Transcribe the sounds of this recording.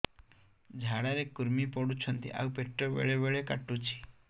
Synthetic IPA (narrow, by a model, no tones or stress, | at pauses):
d͡ʒʱaɽaɾekuɾmipɔɽut͡ʃʰɔnt̪ḭʔa̰wpeʈɾɔbḛɭeʋeɭekaʈːut͡ʃʰi̥